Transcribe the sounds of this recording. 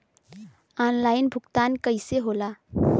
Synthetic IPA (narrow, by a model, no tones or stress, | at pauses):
aːnlaːɪnbʱʊɡt̪aːnkəɪseɦolaː